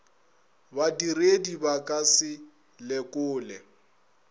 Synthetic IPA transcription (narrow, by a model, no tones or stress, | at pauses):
badiredibakʼasɪ | lɛkʼʊːlɛ